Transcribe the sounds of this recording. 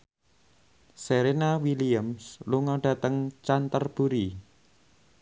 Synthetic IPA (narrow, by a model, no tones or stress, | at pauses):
seɾenawiliəmsluŋɔɖ̥ä̤t̪əŋt͡ʃant̪ərb̥ṳɾi